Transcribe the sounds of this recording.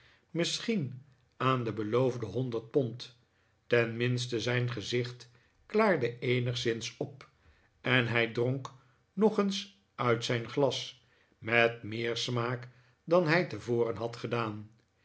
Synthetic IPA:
mɪsχin | aːndəbəlowvdəɦɔndəɹt̚pɔnt | tɛnmɪnstəzɛjnχəzɪχt | klaːɹdəejnəχsɪnsɔp | ɛnɦɛjdroŋk | nɔχəns | œɥtsɛjnχlɑs | mɛtmɪːɹsmaːk | dɑnɦɛjtəvoːrənɦɑtχədaːn

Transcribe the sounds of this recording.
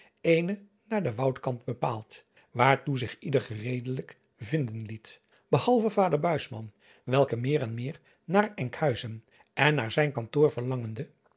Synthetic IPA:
ejnə | naːɹdəʋɑwtkɑndbəpa̰ːlˠt | ʋaːɹtuzɪχidəɹχərejdələk | vɪndənlit | bəhɑlˠvəvaːdəɹbœɥsmɑ̰n | ʋɛlˠkəmɪːɾɛnmɪːɹ | naːɹɛŋkhœɥzən | ɛnːaːɹzɛjnkɑntʊːɹvəɹlɑŋəndə

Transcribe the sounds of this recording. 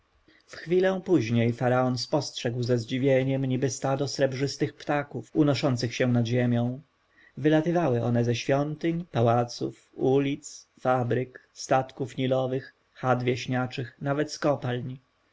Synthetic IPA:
fxfʲilɛ̃w̃puʑɲejfaɾaɔnspɔstʂɛɡwzɛzd͡ʑivʲjeɲɛmɲibɘst̪ad̪ɔsɾɛbʐɘst̪ɘxpt̪akufunɔʂɔnt̪sɘxɕɛ̃nad̪ʑemʲjɔ̃w̃ | vɘlat̪ɘvawɘɔnɛzɛɕfʲjɔnt̪ɘɲpawat̪sṵf | ulʲit̪sfabɾɘkst̪at̪kufɲilɔvɘx | xad̪vʲjeɕɲat͡ʂɘxnavɛt̪skɔpalɲi

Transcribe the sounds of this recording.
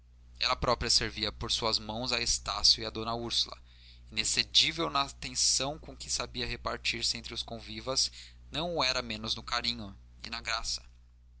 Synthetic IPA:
ɛ̰lɐpɾɔpɾiɐseɾviɐpoɾsuɐzmɐ̃w̃zɐest̪asjʊiɐd̪õnɐuɾsulɐ̰ | inesed͡ʒivewnɐt̪ẽsɐ̃w̃kõkɪsabiɐɦepaɾt͡ʃiɾsɪẽnt̪ɾɪʊskõvivɐz | nɐ̃w̃ʊɛɾɐmẽnʊznʊkaɾĩɲʊ | ɪ̰nɐɡɾasɐ̥

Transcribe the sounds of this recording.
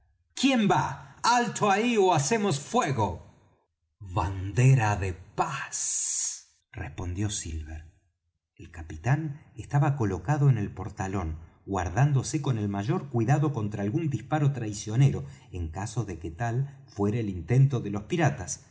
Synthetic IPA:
kje̞mbaalt̪ʰoaioasemosfweɣo | βand̪eɾaðepas | respo̞nd̪jo̞silβeɾ | elkapit̪anest̪aβako̞lo̞kaðoene̞lpo̞ɾt̪alo̞n | ɡwa̰ɾðand̪o̞seko̞ne̞lmaʒo̞ɾkwiðaðo̞ko̞nt̪ɾaːlɣund̪ispaɾo̞t̪ɾajsjo̞ne̞ɾo̞eŋkaso̞ðeket̪al | fweɾaelint̪e̞nt̪oðelo̞spiɾat̪as

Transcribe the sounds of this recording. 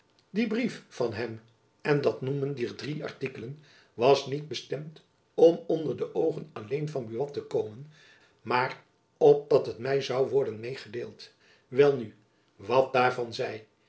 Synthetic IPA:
dibriffɑnɦɛm | ɛndɑtnuməndiɹdriɑ̰ɹtikələn | ʋɑsnid̚bəstɛmt | ɔmɔndəɹdəʔowχənɑlejnvɑnbyʋɑtəkowmən | maːr | ɔp̚dɑtɦətmɛjzɑwʋɔɹdənmejχədḛːlˠt | ʋɛlˠny | ʋɑt̚daːɹvɑnzɛj

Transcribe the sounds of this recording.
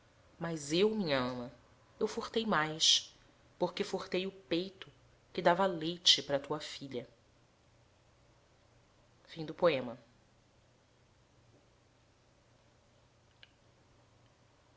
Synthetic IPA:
mɐzewmĩɲɐɐ̃mɐ | ewfoχt̪ejmajs | poχkefoχt̪ejʊpejt̪ʊ | kɪd̪avɐlejt͡ʃɪpaɾɐt̪uɐfiʎɐ | fĩd̪ʊpoẽmɐ

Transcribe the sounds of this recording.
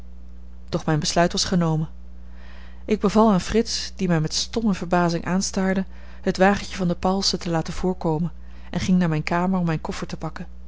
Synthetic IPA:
d̥ɔχmɛjnbəslœɥtʋɑsχənowmən | ʔɪɡ̚bəvɑlˠaːnfrɪtsd̥imɛjmɛtstɔməv̥əɹbaːzɪŋʔaːnstaːɹdə | ɦətʋaːχəncəvɑndəpɑlˠsətəlaːtənv̥ʊːɹkowmən | ʔɛnχɪŋnaːɹmɛjnkaːməɹɔmːɛjnkɔfəɹtəpɑkən

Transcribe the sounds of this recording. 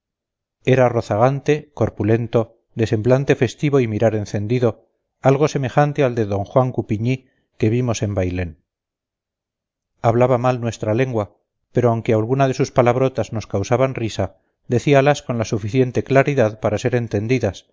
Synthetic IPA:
e̞ɾaro̞θaɣ̞ant̪e̞ko̞ɾpule̞nt̪o̞ | d̪e̞se̞mblant̪e̞fe̞st̪iβo̞imiɾaɾe̞nθend̪iðo̞ | alɣo̞se̞me̞χant̪e̞ald̪e̞ðo̞ŋxwaŋkupiɲi | ke̞βimo̞se̞mbajle̞n | aβlaβamalnwe̞st̪ɾale̞ŋɡwa | pe̞ɾoawŋke̞alɣunaðe̞suspalaβ̞ɾo̞t̪azno̞skawsaβanrisa | d̪e̞θialasko̞nlasufiθje̞nt̪e̞klaɾiðaðpaɾase̞ɾe̞nt̪e̞nd̪iðas

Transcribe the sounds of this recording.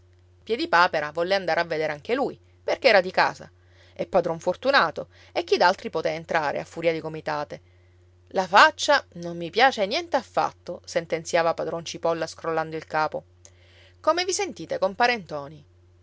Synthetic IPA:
pjɛd̪ipaːpeɾavɔlːeand̪aːɾʔeavːed̪eɾeaŋkeluj | perkeɛːɾad̪ika̰ːza̰ | ɛpːad̪ɾɔɱfort̪unaːt̪o | ek̟ːid̪alt̪ɾipot̪eaent̪ɾaːɾḛa̰fːuɾiad̪ikomit̪aːt̪e | lafat͡ʃːanomːipjaːt͡ʃenjɛnt̪eafːa̰t̪ːosent̪ent̪sjaːvapad̪ɾɔnt͡ʃipɔlːaskɾolːand̪oilkaːpo | komevisent̪iːt̪ekompaːɾent̪ɔːni

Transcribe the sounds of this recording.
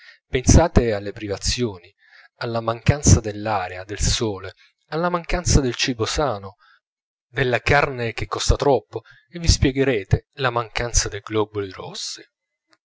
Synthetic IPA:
pensaːt̪ealːepɾivat̪sːjoːni | alːamaŋkant̪sad̪elːaːɾead̪elsoːle | alːamaŋkant̪sad̪elt͡ʃibosaːno | d̪elːakarnek̟ekːɔst̪at̪ɾɔpːo | evːispjɛɡeɾeːt̪elamaŋkant̪sad̪ejɡlɔbolirɔ̰sːi̥

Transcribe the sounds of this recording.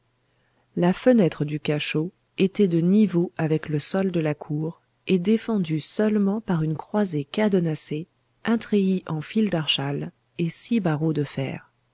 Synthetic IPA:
lafənɛt̪χəd̪ykaʃo | et̪ɛd̪ənivoavɛkləsɔld̪əlakʰuːʁ | ed̪efɑ̃d̪ysœlmɑ̃paʁynkχwazekad̪ɔnase | ʔɛ̃t̪χeiʔɑ̃fild̪aʁʃal | esibaʁod̪əfɛ̰ːʁ

